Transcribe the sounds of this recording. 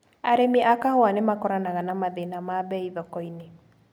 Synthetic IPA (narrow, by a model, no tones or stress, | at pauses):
aɾemiʔakahɔanemakɔɾanaɣanamaðenamaβɛiðɔkɔine